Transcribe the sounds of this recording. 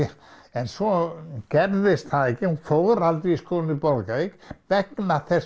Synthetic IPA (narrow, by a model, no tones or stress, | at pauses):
ɛnsɔkɛɾðɪsθaɛkːɪhunfɔɣʏɾalt̪ɾiiskoːlnipɔlkaikʋɛknaθɛs